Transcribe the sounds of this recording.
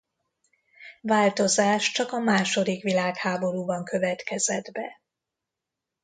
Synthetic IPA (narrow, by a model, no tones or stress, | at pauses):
vaːlt̪o̞zaːʃt͡ʃɒkɒmaːʃo̞d̪ikʋilaːkhaːbo̞ɾuːbɒŋkø̞vɛt̪kɛzɛd̪bɛ